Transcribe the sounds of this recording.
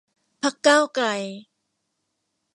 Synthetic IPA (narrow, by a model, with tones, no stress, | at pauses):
pʰa˥˩kːaː˥˩wkla˧j